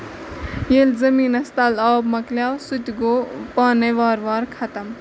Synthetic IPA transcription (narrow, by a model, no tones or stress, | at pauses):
jelzɐmiːnɐst̪alawbmɐkljawsut̪ʲɡoːpaːneʋaːɾʋaːɾkʰɐt̪ɐm